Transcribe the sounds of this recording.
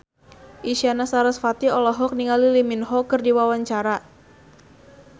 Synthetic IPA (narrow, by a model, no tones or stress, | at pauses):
ʔiʃianasaɾasfat̪iɔlɔɦɔk̚niŋaliliminɦɔkɨrdiwawaɲt͡ʃaɾa